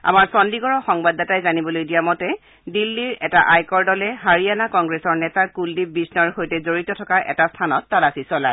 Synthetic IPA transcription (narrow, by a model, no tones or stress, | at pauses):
a̰maɹsɔndiɡɔɹɔxɔŋbadːatajzanibɔlojdijamɔtɛ | dilːiɹɛtaʔajkɔɹdɔlɛɦaɹianakɔŋɡɹɛsɔɹnɛtakuldib̚bisnɔɹhojtɛzoɹitɔtʰɔkaʔɛ̰tastʰanɔtːalasisɔlaj